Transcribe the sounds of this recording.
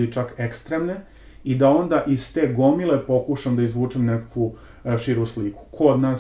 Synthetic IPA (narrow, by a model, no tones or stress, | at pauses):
it͡ʃakekst̪ɾeːmne | id̪ao̞nd̪aʔizt̪e̞ːɡo̞milepo̞kuʃamd̪aizʋuːt͡ʂemnekakʋu | ʃiɾusliku̥kʰo̞d̪naː